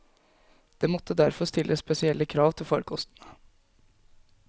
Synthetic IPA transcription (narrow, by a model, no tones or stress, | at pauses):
d̪̥eːmɔt̪ʰːəd̪æɾfɔst̪ɪlʔəsspɛsɪɛlːəkʰɾɑːʋt̪ʰɪlfɔɾkʰɔst̪ənə